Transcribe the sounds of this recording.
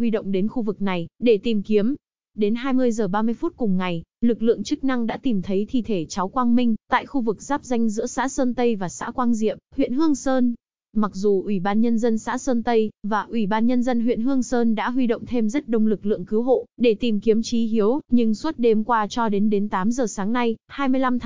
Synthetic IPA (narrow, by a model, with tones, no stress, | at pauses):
hwi˧ɗo̰˧˨wŋ͡mɗe˨˦nxu˧vɨ˨˩k̚na˨˩jɗe˧˩t̪i˨˩mki˨˦əm | ɗe˨˦nɦaː˧jmɨ˧əjzəː˨˩ɓaː˧mɨ˧əjfu˦˥t̚kʊ˨˩ŋ͡mŋa˨˩jlɨ˨˩k̚lɨ̰˧˨əŋt͡ɕɨ˦˥k̚na˧ŋɗa̰ː˧˥t̪i˨˩mt̪ʰə˨˦jt̪ʰḭ˧˨t̪ʰe˧˩t͡ɕa˨˦wkwaː˧ŋmï˧ŋ̟t̪a̰ː˧˨jxu˧vɨ˨˩k̚zaː˦˥p̚za˧jŋ̟zɨ̰˧˥əsa̰ː˧˥səː˧nt̪ə˧jvaː˨˩sa̰ː˧˥kwaː˧nzḭ˧˨əmhwḭ˧˨ənɦɨ˧əŋsəː˧n | ma˨˩k̚zu˨˩ʔwi˧˩ɓaː˧nɲə˧nzə˧nsa̰ː˧˥səː˧nt̪ə˧jvaː˨˩ʔwi˧˩ɓaː˧nɲə˧nzə˧nɦwḭ˧˨ənɦɨ˧əŋsəː˧nɗa̰ː˧˥ɦwi˧ɗo̰˧˨wŋ͡mt̪ʰe˧mzə˦˥t̚ɗə˧wŋ͡mlɨ˨˩k̚lɨ̰˧˨əŋkɨ˨˦wɦo̰˧˨ɗe˧˩t̪i˨˩mki˨˦əmt͡ɕi˨˦ɦi˨˦əwɲɨ˧ŋswə˦˥t̚ɗe˧mkwaː˧t͡ɕɔ˧ɗe˨˦nɗe˨˦nt̪aː˨˦mzəː˨˩saː˨˦ŋna˧jhaː˧jmɨ˧əjla˧mt̪ʰ